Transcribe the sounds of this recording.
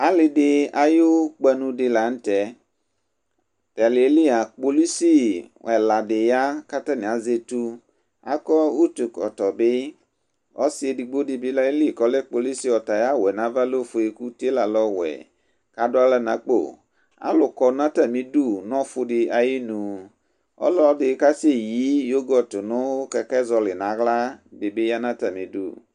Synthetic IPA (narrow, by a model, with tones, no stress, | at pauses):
a˦lɪ˨dɪ˦a˨ji˦wo˦k͡pɛ˦nũ˧dɪ˨la˨n̩˦tɛ˨ | tɛ˨le˨e˦li˦a˨k͡po˨li˦si˦wɛ˨la˨dɪ˨ja˦ka˦ta˦nɪ̃˨a˨ze˦tu˦ | a̰˦kɔ˦u˦tu˨kɔ̰˨tɔ˨bɪ˦ | ɔ˦si˦e˨di˨ɡ͡bo˦dɪ˨bɪ˦la˦e˦li˦˨kɔ˨lɛ˦k͡po˨li˦si˦ɔ˨ta˨ja˦wɛ˨nã˦va˦lo˦˨fʊ˨e˨ku˦te˦la˨lɔ˦wɛ̰˨ | ka˨dʊ˦a˦la˦nã˨k͡po̰˦˨ | a̰˦lʊ˨kɔ˦nã˦ta˦mĩ˨du˦˨nɔ̃˦fʊ˦ɖɪ˨a˨ji˦nũ˨ | ɔ̰˦lɔ˦dɪ˨˦ka˦si˦e˦ji˨˦jo˦ɡɔ˦t̪ʊ˨nʊ̃˦o˦kɛ˨kɛ˦zɔ˨lɪ˨nã˨ɣla˦be˨be˦ja˦nã˦ta˨mĩ˨dṵ˦˨